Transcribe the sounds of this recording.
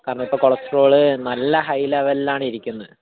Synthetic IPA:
kaːrɐɳːɐipːoːkoɭɐstro̞ːɭɨnɐlːɐɦɐjlɐʋɐlaːɳɨiɾikʲːunːɐðɨ

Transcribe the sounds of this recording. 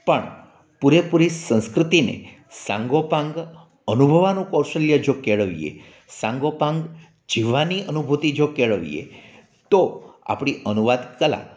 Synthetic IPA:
pəɳ | puɾepuɾisə̃ñskɾɪt̪inḛ | sã̰ŋɡopãŋɡ | ənubʱəʋanũkɔwʃəljəd͡ʒokeɭəʋijḛ | sãŋɡopãŋɡ | d͡ʒiʋaniənubʱut̪id͡ʒokeɭəʋḭjḛ | t̪oa̰pɽ̃iʔənuʋad̪kəlã̰

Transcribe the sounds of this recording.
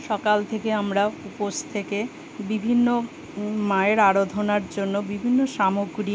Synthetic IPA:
ʃɔkalt̪ʰekeamɾaupost̪ʰeke | bibʱinːo | maeɾaɾod̪ʱonaɾd͡ʑonːobibʱinːoʃamoɡɾi

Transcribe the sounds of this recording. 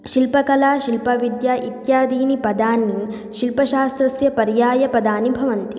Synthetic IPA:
ʃilpɐkɐlaːʃilpɐʋid̪jaːʔit̪jaːd̪iːnipɐd̪aːni | ʃilpɐʃaːst̪ɾɐsjɐpɐɾjaːjɐpɐd̪aːnibʱɐʋɐnt̪i

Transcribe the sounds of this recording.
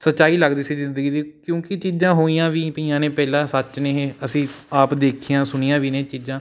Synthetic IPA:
sətːʃaːiːləɡd̪iːsiːzɪnd̪əɡiːd̪iːkjõːkɪt͡ʃiːd͡ʒãːɦoːiːãːʋiːpiːãːneːpɛːlãːsət͡ʃneːeːəsĩːaːpd̪eːkʰijãːsʊniːjãːʋiːneːt͡ʃiːzãː

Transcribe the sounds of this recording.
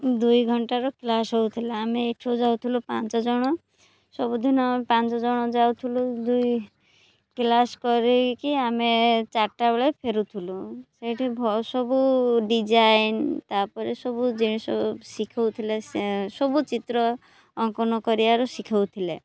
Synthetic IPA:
d̪ujɡʱɔɳʈaɾɔklasɦowt̪ʰileːmeːʈʰod͡ʒawt̪ʰilupant͡ʃɔd͡ʒɔɽ̃ɔ | sɔbud̪ʱinɔmepãnt͡ʃɔd͡ʒɔɽ̃ɔd͡ʒawt̪ʰulud̪uj | klaskɔɾekiamet͡ʃaɾʈabeɭepʰeɾut̪ʰulusejʈʰibʱɔsɔbuɖid͡ʒajnt̪apɔɾesɔbud͡ʒiñisɔsikʰawt̪ʰilessɔbut͡ʃit̪ɾɔː | ŋkɔnɔkɔɾiaɾɔsikʰawt̪ʰile

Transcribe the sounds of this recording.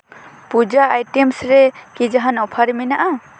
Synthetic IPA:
pud͡ʒaːjʈemsɾɛkid͡ʒaɦanɔpʰaɾɛminaʔa

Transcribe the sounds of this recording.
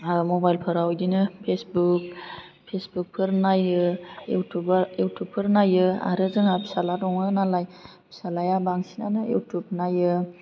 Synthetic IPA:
mɔbajlpʰɯɾawjdinɯpʰesbuk̚ | pʰesbuk̚pʰɯɾnajɯ | ubjutʰupʰːɯɾnajɯa̰ɾɯzɯŋabisaladɔŋɯnalaj | bi̥salajabaŋsina̰nɯjṵtʰup̚najɯ

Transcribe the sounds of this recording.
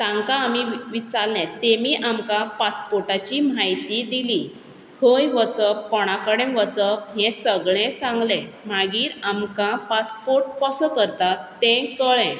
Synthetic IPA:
t̪ãŋkãːmiʋit͡sallɛ̃t̪emiːʔamkãpaspoɾʈat͡ɕimajt̪id̪ili | hʰəjʋət͡səppɔɽ̃akəɽẽʋət͡səpɦɛ̃səɡɭɛ̃sãŋɡlɛ̃m̤aɡiːɾamkãpaspoɾʈpɔsɔkəɾt̪at̪ːɛ̃kəɭɛ̃

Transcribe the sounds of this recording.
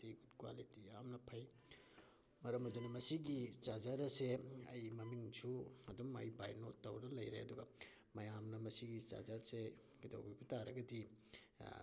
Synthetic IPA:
tiɡutkwa̰litiamnɐpʰɐj | mɐɾɐmɐdunimɐsiɡit͡ʃad͡ʒaɾɐseɐ̰jmɐmiŋsʰuɐdumɐ̰jbajnotːɐwɾnɐlɐjɾḛɐduɡɐ | mɐjamnɐmɐsiɡit͡ʃa̰d͡ʒɐɾse | ɡidɐ̰wɡubutaɾɐ̰ɡɐdi

